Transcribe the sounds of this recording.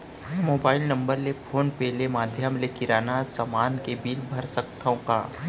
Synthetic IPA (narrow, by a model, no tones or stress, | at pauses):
moːbaːɪlnɐ̃mbəɾlepʰoːnpeːlemaːd̪ʱjəmlekɪɾaːnasamaːnkebiːlbʱɐɾsɐk̚t̪ʰõka̰ː